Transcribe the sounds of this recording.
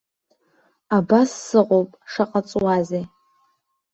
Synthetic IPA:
abasːɨqʷʼowpʼʂaqʼat͡sʼwaze

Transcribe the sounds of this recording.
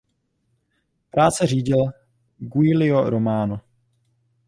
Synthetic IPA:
pɾaːt͡sɛr̝iːɟɪl | ɡuɪlɪoɾomaːno

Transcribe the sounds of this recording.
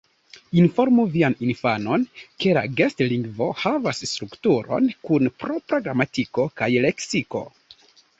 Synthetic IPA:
info̞ɾmuvianinfano̞nke̞la̰ɡestliŋɡvo̞havasːtɾuktuɾo̞̰nkunpɾo̞pɾoɡɾamatiko̞kajleksiko̞̰

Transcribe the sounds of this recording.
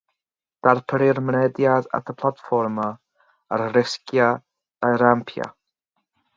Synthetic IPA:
d̥arpʰəɾɪrmnɛdjada̰tʰəpʰlˠatfɔrma | arrɪskja | d̥ajɾampʰja̰

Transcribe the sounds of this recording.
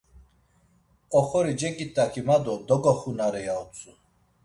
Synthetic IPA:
ɔχɔɾid͡ʒɛkʼit̪ʼːakʰimad̪ɔd̪ɔɡɔχunaɾɛjaut͡sʼu

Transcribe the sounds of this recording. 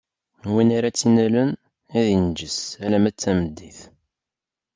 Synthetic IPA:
winaɾat͡sːinælən | æðind͡ʒəsælæmæt͡sːæməd̪ːiθ

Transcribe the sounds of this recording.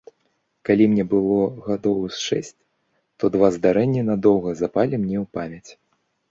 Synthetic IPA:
kalʲimnʲɛbɨlˠɔɣad̪ɔwsʂɛsʲt͡sʲ | t̪ɔd̪vazd̪aɾɛnʲːinad̪ɔwɣɐzapalʲimnʲɛwpamʲjɐt͡sʲ

